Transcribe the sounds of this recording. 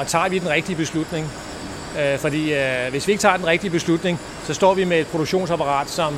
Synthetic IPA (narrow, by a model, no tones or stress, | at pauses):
ɒt͡sʰɑ̰̈ːʋid̥enʁɛɡ̥̚d̥iəb̥e̝slud̥ne̝ŋ | fɒ̽d̥ḭːʋe̝sʋie̝ɡ̥t͡sʰɑ̰̈ːd̥enʁɛɡ̥d̥iəb̥e̝slud̥ne̝ŋ | sɒ̽sd̥ɒ̰ːʋime̝̥ːpʰʁo̝ɾ̥oɡɕo̝̰ːnsæpʰɑ̈ʁɑ̰̈ːd̥sɒ̽m